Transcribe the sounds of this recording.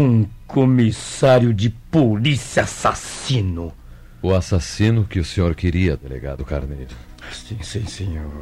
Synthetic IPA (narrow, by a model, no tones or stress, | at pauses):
ũkomisaɾjʊd͡ʒɪpolisiasasĩnʊ | ʊasasĩnʊkɪʊsẽɲoɾkeɾiɐd̪elḛɡa̰d̪ʊkaɾnejɾʊ | asĩsĩsẽɲoɾ